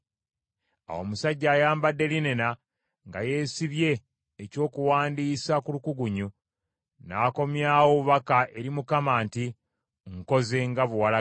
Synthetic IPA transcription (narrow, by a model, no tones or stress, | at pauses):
a̰wo̞musaɟːaːjaːmbadːe̞linena | ŋɡa̰je̞ːsiβje̞ː | co̞ːkuwaːndiːsakulukuɡuɲu | naːko̞mjaːwoβuβakaʔe̞ɾimukamaːnti | ŋko̞ze̞ŋɡaβuwala